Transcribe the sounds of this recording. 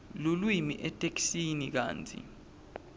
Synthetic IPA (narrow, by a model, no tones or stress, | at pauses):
lulwimiʔɛtʰʼeksinik̬a̰ːnt͡sʰḭ